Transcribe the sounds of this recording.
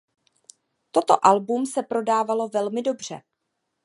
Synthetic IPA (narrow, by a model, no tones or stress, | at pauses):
t̪o̞t̪o̞̰ʔalbumsɛpɾo̞daːvalo̞vɛlmɪdo̞br̝̥ɛ̰